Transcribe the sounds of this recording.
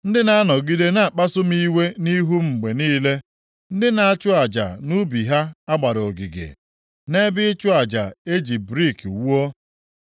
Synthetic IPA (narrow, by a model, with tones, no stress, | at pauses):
n̩˦dɪ˦na˦a˦nɔ˨ɡi˦de˦na˨a˨k͡pa˦sʊ˦m̩i˦we˦ni˦ɦu˦m̩˨ɡ͡be˨niː˦le˦ | n̩˦dɪ˦na˨a˦t͡ʃʊ˦a˨d͡ʒa̰˨nu˦bi˨ɦa˦a˦ɡ͡ba˨ɾɔ˨ɡḭ˨ɡḛ˨ | ne˦bɪ˦t͡ʃʊ˦a˨d͡ʒa̰˨e˦d͡ʒi˨bɾi˦˨kwu˦o˦